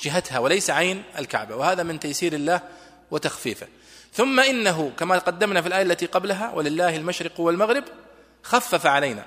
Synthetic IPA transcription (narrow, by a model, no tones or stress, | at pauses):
d͡ʒɪɦat̪hawɪlajsaʕajnɪ̰lka̰ʕbawɪhaːðamɪnt̪ajsiːɾɪlːaːh | wɪt̪axfiːfɪ̰ | θʊmːaʔɪnːaɦʊkamaqɑd̪ːamnafilʔaːjalːat̪iqɑblaɦawʔa̰lɪlːaːhalmaʃɾɪqwɪlmaɣɾɪb | xafːafaʕalajna̰